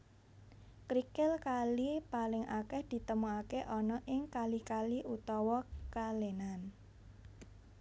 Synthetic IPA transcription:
kɾikɪlkalipalɪŋʔa̰kɛhd̪̥i̤t̪əmuakeʔɔnɔʔɪŋkalikaliʔut̪ɔwɔkalenan

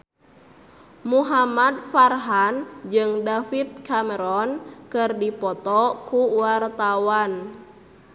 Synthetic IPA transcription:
muɦamad̪̚farɦand͡ʒɨŋdafit̪̚kamɛɾɔnkɨrdipɔt̪ɔkuwart̪awan

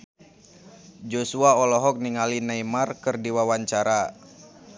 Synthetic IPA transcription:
d͡ʒosuaɔlɔɦɔk̚niŋalinaimarkɨrdiwawaɲt͡ʃaɾa

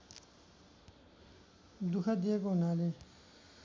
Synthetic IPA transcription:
d̪ukʰad̪ijekoɦunale

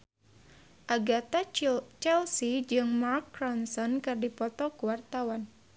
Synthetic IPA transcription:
ʔaɡat̪at͡ʃɛlsid͡ʒɨŋmarkːɾɔnsɔnkɨrdipɔt̪ɔkuwart̪awan

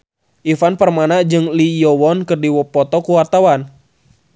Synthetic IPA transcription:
ʔifanpərmanad͡ʒɨŋlijɔwɔnkɨrdiwɔpːɔt̪ɔkuwart̪awan

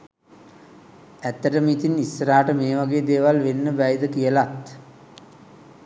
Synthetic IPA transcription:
æt̪ːəʈəmit̪inisːəɾaːʈəmeːʋaɡeːd̪eːʋalʋenːəbæjəd̪əkijəlat̪

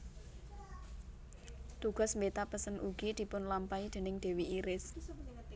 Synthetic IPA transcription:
t̪uɡ̥ɔ̤smbet̪apəsənʔuɡ̥id̪̥i̤pʊnlampaid̪̥e̤nɪŋɖ̪̥e̤wiiɾɪs

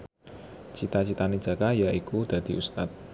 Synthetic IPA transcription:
t͡ʃit̪at͡ʃit̪ani̥d͡ʒ̥a̤kajaʔikud̪̥a̤d̪̥i̤ʔust̪at̪̚

